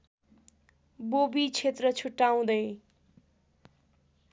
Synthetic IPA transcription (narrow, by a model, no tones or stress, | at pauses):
bobit͡sʰet̪rʌt͡sʰuʈːaw̃d̪ʌj